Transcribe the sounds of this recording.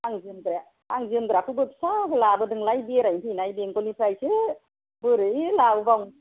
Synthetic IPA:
aŋzɯmɡɾa | aŋzɯmɡɯɾakʰɯbɯp̚sakɯlabɯdɯŋlajbeɾajpʰɯnajbeŋkɔlipʰɾajsɯ | bɯɾɯjlawbawŋ

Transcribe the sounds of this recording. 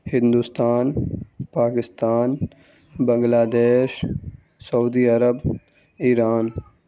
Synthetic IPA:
hɪ̃nd̪ust̪aːnpaːkɪst̪aːn | bɐ̃ŋɡlaːd̪eːʃ | sɐuːd̪iːɐɾəb | iːɾaːn

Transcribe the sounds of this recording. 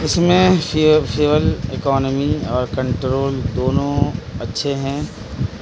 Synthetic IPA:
ɪsmẽfʰɪʋəlɪkɔːnəmiɔːɾkɐ̃ɳʈɾoːld̪oːnõɐtːʃʰeɦɛ̃ː

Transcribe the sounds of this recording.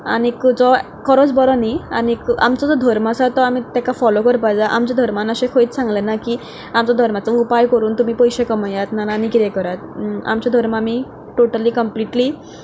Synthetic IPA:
a̰nikd͡zɔ | kəɾod͡zbɔɾɔnianika̰mt͡sɔd͡zɔd̪ʱəɾmasat̪ɔamiːt̪akafɔlokəɾpajd͡zaʔamt͡ɕad̪ʱəɾmanəɕekʰoiːt̪sãŋɡlenakiː | amt͡sɔd̪ʱəɾmat͡səupajkəɾuːnt̪um̤iːpəjɕekəməjat̪nananikit̪ɛkəɾat̪a̰mt͡ɕad̪ʱəɾmaami | ʈoʈəliːkəmpliʈliː

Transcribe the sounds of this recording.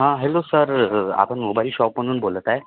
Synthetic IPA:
ɦãɦelosəɾa̰pəɳmubaɾiɕɔpmənd̪uːnbolət̪ae

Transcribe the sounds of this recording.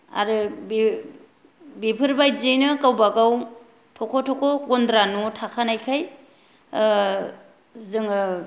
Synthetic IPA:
a̰ɾɯbi | bipʰɯɾbajzɯnɯkawbaɡaw | tʰɔkʰɔtʰɔkʰɔɡɔndɾanutʰakʰanajkʰaj | zɯŋɯ

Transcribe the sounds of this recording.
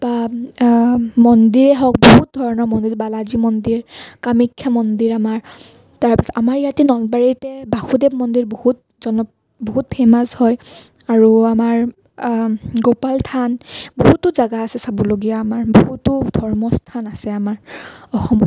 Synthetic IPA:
b̥a | mɔndiɹɛɦɔk̚boɦut̚dʱɔɹɔnɔɹmɔndiɹbalazimɔndiɹkamikʰːamɔndiɹamaɹ | taɹpasɔamaɹijatinɔlbaɹitɛbaxudeb̚mɔndiɹbohut̚ | zɔnɔ | boɦut̚pʰɛmazhɔjaɹuamaɹ | ɡopaltʰanboɦutʊzaɡaːsɛsabɔloɡijaːmaɹbohutʊdʱɔɹmɔstʰanasɛamaɹɔxɔmɔ

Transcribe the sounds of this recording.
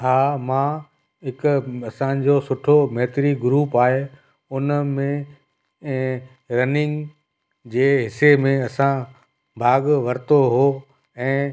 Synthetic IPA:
ɦaːmãː | ɦɪkʊɐsãd͡ʑosʊʈʰomeɦɪt̪ɪɾiɡɾuːpaːɦe | ʊnmẽ | ɾɐnɪ̃ŋɡ | d͡ʑeːɦɪsemẽɐsã | bʱaːɠʋɐɾt̪oɦoː | ɛ̃ː

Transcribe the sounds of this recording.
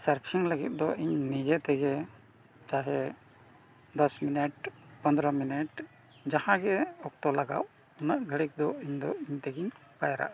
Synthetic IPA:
saɾkʰiŋləɡit̪̚ˀd̪ɔʔiɲnid͡ʒɛt̪ɛɡɛ | kaɦɛ | d̪ɔsminɛʈpənd̪ɾəminɛʈ | d͡ʒahãɡɛɔk̚t̪ɔlaɡa̰ʔ | unəʔɡʱəɽik̚d̪ɔiɲd̪ɔiɲt̪ɛɡiɲ | pajaɾa̰ʔ

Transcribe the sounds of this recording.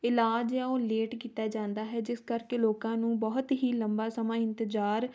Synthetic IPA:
ɪlaːd͡ʒjãːoːleːʈkiːt̪aːd͡ʒãːnd̪aːɦɛːd͡ʒɪskəɾkeːloːkãːnũːbɔɦt̪ɦiːləmbaːsəmãːɪ̃nt̪ɪd͡ʒaːɾ

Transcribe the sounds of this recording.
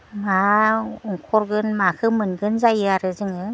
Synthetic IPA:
mauŋkʰɔɾɡɯnmakʰɯmɯnɡɯnzajɯaɾɯzɯŋɯ

